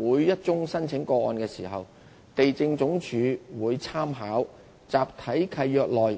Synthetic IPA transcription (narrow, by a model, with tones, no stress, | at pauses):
uː˨˧jːɐ˥t̚t͡sʊ˥ŋsɐ˥nt͡sʰɪ˨˥ŋkɔː˧ɔː˧nkɛː˧siː˨˩ɦɐ˨w | t̪e˨jt͡sɪ˧ŋt͡sʊ˨˥ŋt͡ʃʰyː˨˧wuː˨˧jt͡sʰaː˥mɦaː˨˥w | t͡saː˨p̚t̪ʰɐ˨˥jkʰɐ˧jːœː˧k̚lɔː˨j